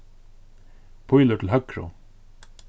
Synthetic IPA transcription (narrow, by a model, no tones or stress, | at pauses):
pʰʊjlʊʈʰɪl̩ɦœkɾʊ̰